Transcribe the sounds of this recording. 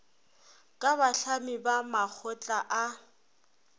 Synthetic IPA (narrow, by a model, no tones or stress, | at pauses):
kʼaβaɬamibamak͡xʰɔt͡ɬʼaʔa